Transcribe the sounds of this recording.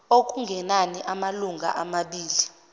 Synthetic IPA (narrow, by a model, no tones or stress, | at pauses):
ok̬ʼuŋɡʱɛnaniʔamaluŋɡʱa̰ʔamaɓiːli